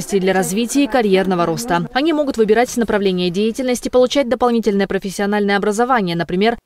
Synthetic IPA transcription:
sʲtʲɪjd̪lʲɐɾɐzvʲitʲɪːkɐɾʲje̞rnəvəɾo̞st̪əɐnʲimo̞ɡʊt̪vɨbʲɪɾatʲsʲnəpɾɐvlʲenʲɪjədʲejɪtʲɪlʲnəsʲtʲɪ̥pəlˠʊt͡ɕæt̚ʲd̪əpɐlˠnʲitʲɪlʲnəjəpɾəfʲɪsʲːɪɐn̪alʲnəjəɐbɾəzɐvanʲɪjənəpɾʲɪmʲe̞r

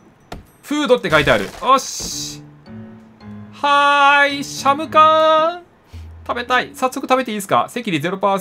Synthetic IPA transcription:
ɸɯ̟ːd̪o̞t̪ːe̞kait̪̬ea̰ɾɯ̟̰oɕ | haiɕamɯ̟kã | t̪abe̞t̪aisasːo̞kɯ̟t̪abe̞t̪e̞iːsɨ̥ka̰se̞kʲiɲʲize̞ɾo̞paːs

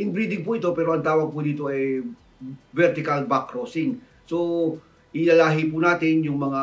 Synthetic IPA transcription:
ʔɪnbɾiːd̪ɪŋpʊʔɪt̪opɛːɾoʔɐŋt̪aːwɐɡ̚pʊd̪iːt̪o̞ʔɛ | vɛɾt̪ɪkɐlbakɾoːsɪŋ | so | ʔɪlaːlaːɦɪpunaːt̪ɪnjʊŋmɐŋa

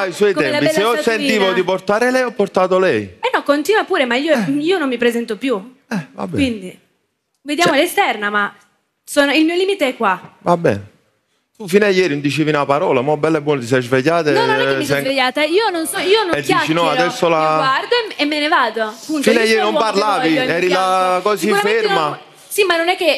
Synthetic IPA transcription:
aiswɔjt̪ɛapiɛseɔsːent̪ːiːvoiport̪aːɾelɛjɔpːoɾt̪aːt̪olɛjɛnːɔkːont̪iːnwapuːɾemaiːoiːonomːipɾezɛnt̪opju | ɛva̰kbɛwind̪i | ved̪jaːmolest̪ɛrnama | soːnoilmioliːmit̪eɛkːwavabːɛ̰ːne | t̪ufiːnajːɛːɾinnd̪it͡ʃeːvinapaɾɔːlamɔbːɛlːɛbːwɔːnot̪̬is̬ɛzveʎːaːt̪enɔnnɛisɛeʎaːt̪aiːononsɔiːonɛd̪iat͡ʃinɔad̪ɛsːolaɡward̪oemːenevaːd̪oaapːuntfinajːɛːɾiinomparlaːviɛːɾilakɔːsikuamfeɾma | simanːonɛkːe

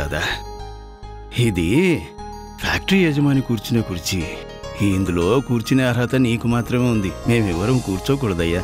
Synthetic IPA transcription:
ɐd̪a | id̪i | pʰaːk̚ʈɐɾijɐd͡ʒɐmaːnikuːɾt͡ʃineːkuːɾt͡ʃi | iːnd̪ulo̞ːkuːɾt͡ʃineɐɾɐt̪ɐniːkumaːt̪ɾɐmeːund̪ime̞ːmiʋɐɾɐmkuːɾt͡ʃoːk̬uɽɐd̪ɐjːɐ

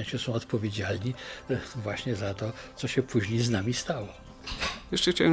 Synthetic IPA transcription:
ɕɛsɔ̃w̃ɔt̪pɔvʲjed͡ʑalɲivwaɕɲɛzat̪ɔt̪sɔɕɛpʰuʑɲejznamʲist̪awɔ | jɛʂt͡ʂɛxt͡ɕawɛ

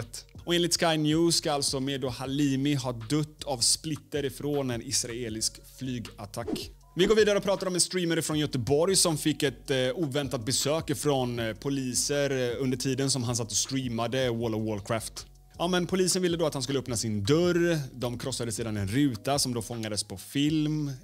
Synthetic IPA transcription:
t̪ɔeːnlɪt̪skajnjʉːsskaalt̪sɔmeːd̪ohaliːmɪɦɑːd̪ɵt̪ːavsplɪt̪ːəɾɪfɾoːnɛnɪsɾaeːlɪsk | flyːɡat̪ʰakː | vɪɡoːɾviːd̪aɾəɔpʰɾɑːt̪aɾɔmɛnst̪ɾiːmaɾfɾɔnjœt̪əbɔɾjsɔmfɪkːɛt̪uːvɛnt̪at̪̚bɛsøːkfɾɔnpʰʊliːsəɾɵnd̪əʈʰiːd̪ənsɔmɦans̬at̪ːɔst̪ɾiːmad̪əwɔlɔwɔlkʰɾaːft̪ | jɑːmɛnpʰʊliːsənvɪlːəd̪oːat̪hanskɵləœpnasɪnd̪œɾd̪ɔmkʰɾɔsːad̪əseːd̪anɛnɾʉ̟ːt̪asɔmd̪oːfɔŋːad̪əspʰɔfɪlm

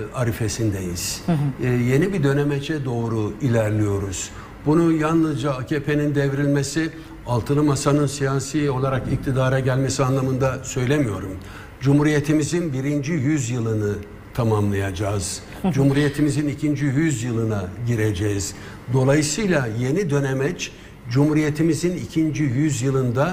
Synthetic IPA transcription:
aɾife̞sind̪ejiz̥ | je̞nibid̪ø̞nemet͡ʃʰɛd̪o̞ːɾuilʲæɾlʲijo̞ɾuz̥ | bunujanlˠɯzd͡ʒaacʰepʰe̞nind̪evɾilʲme̞si | alˠt̪ʰɯnɯmasanɯnsijaːsijo̞lˠaɾakic̚t̪ʰid̪aːɾɛɟælʲmesianlˠamɯnd̪asø̞jlʲemijo̞ɾum | d͡ʒumhuɾije̞t̪ʰimizinbiɾind͡ʒijyzjɯlˠɯnɯ | t̪ʰamamlˠajad͡ʒaːz̥ | d͡ʒumhuɾije̞t̪ʰimizinicʰind͡ʒijyzjɯlˠɯnaɟiɾe̞d͡ʒɛz̥ | d̪o̞lˠajɯsɯjlʲˠaje̞nid̪ø̞nemɛt͡ʃ | d͡ʒumhuɾije̞t̪ʰimizinicʰind͡ʒijyzjɯlˠɯnd̪a

